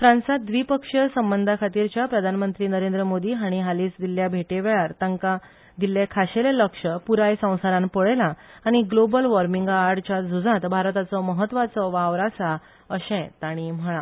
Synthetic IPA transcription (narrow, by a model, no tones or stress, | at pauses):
fɾãnsat̪̚d̪ʋipəkʂəsəmbənd̪ʱakʰat̪iːɾt͡ɕjapɾəd̪ʱanmənt̪ɾiːnəɾẽnd̪ɾəmod̪iːɦaɽ̃iɦaliːt͡sd̪ilːjabʱeʈeʋeɭaɾt̪əŋka | d̪ilːekʰaɕeleləkʂəpuɾajsə̃w̃saɾãnpəɭelaː | ɽ̃iɡlobəlʋəɾmiŋɡaɾɖt͡ɕad͡zʱud͡zãt̪bʱaɾt̪at͡sɔməɦət̪ʋat͡sɔʋaʋɾasa | əɕɛ̃t̪aɽ̃im̤əɭa